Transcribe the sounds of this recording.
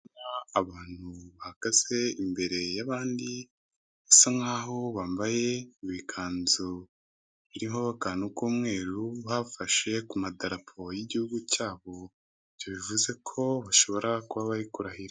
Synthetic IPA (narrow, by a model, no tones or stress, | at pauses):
naaβaːn̥huβahaɡ̥aze̞imbe̞ɾe̞jaβaːndi | βasaŋaːɦo̞βaːmbaje̞βikʰaːnzo | βiɾimhoβakanukoːmŋe̞ːɾuβafaʃe̞kumadaɾapʰojiɟihuɡucaːβo̞ | ivjoβivuze̞kʰo̞βaʃo̞βo̞ɾakuβaβaɾikuɾahiɾa